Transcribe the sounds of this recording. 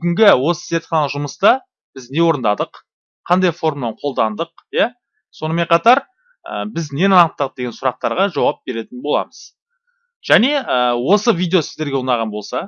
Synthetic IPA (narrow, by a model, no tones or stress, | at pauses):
bʏɡʲɪŋɡʲɪwo̞sə̥set̪χɑnˠəʒʊməst̪ɑ | b̥ɪzne̞wo̞ɾənd̪ɑd̪əqʰ | ɑnd̪ɑjfo̞ɾmnɑɴqʰo̞lˠd̪ɑnd̪əq̚ja | so̞nəme̞ɴqʰɑt̪ɑɾ | ə̰bɪzne̞nɑɑnəq̚t̪ɑʁəd̪e̞ɡʲe̞nsʊɾɑq̚t̪ɑɾʁɑʒɑwɑp̚be̞ɾe̞t̪ɪnbo̞lˠɑ̰məz̥ | ʒ̥æne̞əwo̞səvijd̪e̞o̞sɪzd̪e̞ɾɡʲe̞wunɑʁɑnbo̞lˠsɑ